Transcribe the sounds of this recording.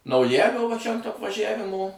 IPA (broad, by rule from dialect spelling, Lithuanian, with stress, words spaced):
nɐʊˈjælʲoː ʋɐ t͡ʃʲɛ ɐnt ɐpʋɐˈʒʲæʋʲɪmoː